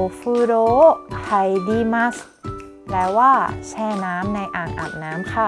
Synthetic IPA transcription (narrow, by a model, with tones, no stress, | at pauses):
fɯː˧doː˦˥ha˧˩jdiː˧ma˦˥sk̚ | lɛː˦˥waː˥˩t͡ɕʰɛː˥˩naː˦˥mna˧jʔaː˨˩nʔa̰ː˨˩k̚naː˦˥mkʰa˧˥˩